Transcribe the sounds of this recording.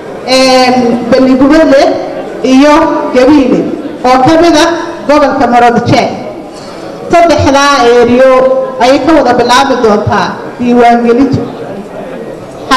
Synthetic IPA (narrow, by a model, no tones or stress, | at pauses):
ɛːnbɐlːɪɣʊβɐd̪lɛ | ijɔɡɐβiːlɛʔɔːkʰɐmɪðɐɡɔβɔlkʰɐmɐɾɔd̪t͡ʃɛːk | sɐd̪ɛħðaːɛːɾɪjɔɐjɛjkʰɐwɐðɐbɪlaːβɪd̪ɔːnt̪ʰaː | d̪̥iːwaːŋɡɛlɪnt̪ʰʊ